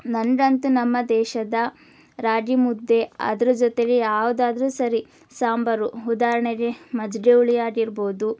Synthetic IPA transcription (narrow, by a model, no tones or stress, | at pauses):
nɐɳɖɐnt̪unɐmːɐd̪ɛːʃɐd̪ɐ | ɾaːd͡ʒimud̪ːe̞ɐ̰d̪ɐɾud͡ʒɔt̪eɡejaːʋud̪aːd̪ɐɾuːsɐɾi | saːmbɐɾuud̪aːɾɐɳeɡemɐd͡ʒɡeuɭijaːɡiɾbo̞ːd̪u